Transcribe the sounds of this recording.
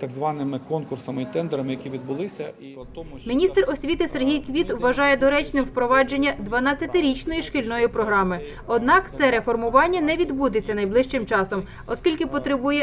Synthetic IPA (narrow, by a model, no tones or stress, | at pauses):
t̪ɐɡzʋɑnɪmɪkɔnkʊrsɐmɪit̪ɛnd̪eɾɐmɪjɐkʲiʋʲid̪̚bʊlˠɪsʲɐi | ɔmʲinʲist̪rɔsʲʋʲit̪ɪserɦʲijkʋʲit̪ʋːɐʒɑjɛd̪ɔɾɛt͡ʃnɪmwpɾɔʋɑd͡ʒe̞nʲːɐd̪ʋɐnɑt͡sʲːɐt̪ɪɾʲit͡ʃnɔjiʃkɪlʲnɔjipɾɔɦɾɑmɪ | ɔd̪nɑkt̪sɛɾe̞fɔrmʊʋɑnʲːɐnɛʋʲid̪bud̪ɪt͡sʲːɐnɐjblˠɪʃt͡ʃɪmt͡ʃɑsɔm | ɔskʲilʲkɪpɔt̪ɾɪbujɛ